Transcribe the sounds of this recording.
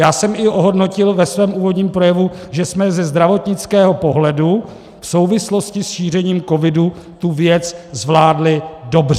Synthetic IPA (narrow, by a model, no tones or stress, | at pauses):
jaːsɛmɪʔoɦo̞dno̞cɪlvɛsvɛːmʔuːvo̞dɲiːmpɾo̞jɛvuʒɛsmɛzɛzd̪ɾavo̞t̪ɲɪt͡skɛːɦo̞po̞ɦlɛdu | fso̞wvɪslo̞scɪsʃiːr̝ɛɲiːmko̞vɪdu | t̪uvjɛt͡szvlaːdlɪdo̞brɛ